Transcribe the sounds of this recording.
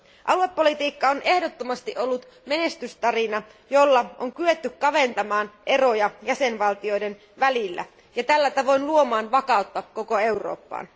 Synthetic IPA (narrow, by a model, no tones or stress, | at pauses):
ʔɑlue̞pːo̞lit̪iːkːɑonʔe̞hdo̞t̪ːomɑst̪iʔo̞lːut̪ | me̞ne̞st̪yst̪ɑrinɑ | jo̞lːɑoŋkyʋe̞t̪ːykkːɑʋe̞nt̪ɑmɑːnʔe̞ro̞jɑjæse̞nʋɑlt̪io̞jde̞n | ʋælilːæ̰ | jɑt̪ælːæt̪ɑʋo̞jnluo̞mɑːnʋɑkɑut̪ːɑko̞ko̞e̞wro̞̰ːpːɑ̰ːn